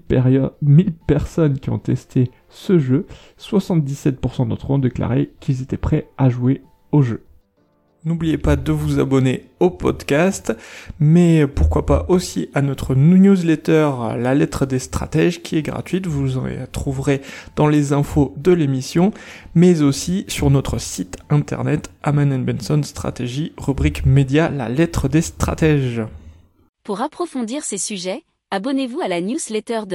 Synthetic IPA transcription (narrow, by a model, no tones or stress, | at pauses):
pɛʁjɔdmilpɛʁsɔnkʲiɔ̰̃t̪ɛst̪e | səʒø | swasɑ̃t̪̚d̪isɛt̪̚puʁsɑ̃d̪ɔ̰̃t̪χɔ̃ɔ̃d̪ekla̰ʁekilzet̪ɛpχɛaʒue | oʒø | nublijepad̪əvuza̰bɔneopɔ̰d̪kast̪mɛpuʁkwapa̰ʔosiʔanɔt̪χənnjuzlɛt̪œʁ̰lalɛt̪χəd̪est̪χa̰t̪ɛʒkʲʰiɛɡʁa̰t̪ɥit̪vuzɑ̰̃t̪χuvʁed̪̥ɑ̃lezɛ̃fod̪əlemisjɔ̃mɛzosisyʁnɔt̪χəsit̪ɛ̃t̪ɛ̰ʁnɛt̪amanɛnbɛnsɔnst̪χa̰t̪eʒiʁybʁikmed̪jala̰lɛt̪χəd̪est̪χa̰t̪ɛʒ | puʁapχɔfɔ̃d̪iʁsesyʒɛ | abɔnevualanjuzlet̪œʁd̪